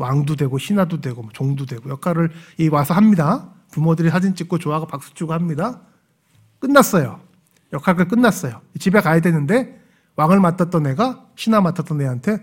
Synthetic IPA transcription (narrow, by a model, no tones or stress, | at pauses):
waŋdudwe̞ɡoɕʰinadodwe̞ɡomʌt͡ɕoŋdudwe̞ɡojʌkʰaɾɯɭiwasʰʌɦamɲida | pumodɯɾisʰad͡ʑint͡ɕ͈ik̚k͈ot͡ɕoɦaɡapak̚s͈u̥t͡ɕʰuɡɯhamɲida | k͈ɯnːas͈ʌjo | jʌkʰaɡɯɭk͈ɯnːas͈ʌjoit͡ɕibe̞kajedwe̞nɯnde̞ | waŋɯɭmat͈ʰat͈̚ʌnːe̞ɡa | ɕʰinamatʰat͈ʌnːe̞ɦantʰe̞